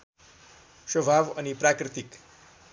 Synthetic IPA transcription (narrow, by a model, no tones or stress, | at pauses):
ʃəbʱaʋənipɾakɾɪt̪ik